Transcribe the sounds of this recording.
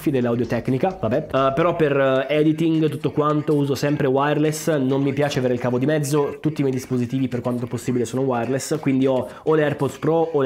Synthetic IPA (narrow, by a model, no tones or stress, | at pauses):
fid̪elːawd̪jot̪ɛknikavabɛpeɾɔpːerɛd̪it̪iŋɡt̪ut̪ːokwant̪ouːzosɛmpɾewajrlesnomːipjaːt͡ʃeaveːɾeilkaːvod̪imɛd̪zːot̪ut̪ːimɛjd̪ispozit̪iːviperkwant̪oposːiːbilesoːnowajrleskwind̪iɔ | oleɛrpɔspɾɔol